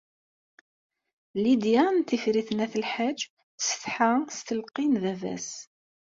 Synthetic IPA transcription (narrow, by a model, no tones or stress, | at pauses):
lid̪jænt̪ifɾiθnæθəlħad͡ʒ | θsəθħast̪əlqinðævæ̰s